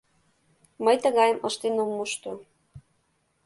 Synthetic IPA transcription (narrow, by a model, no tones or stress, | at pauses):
məjt̪ə̆ɣɑjə̆mʔɤʃt̪enomːuʃt̪o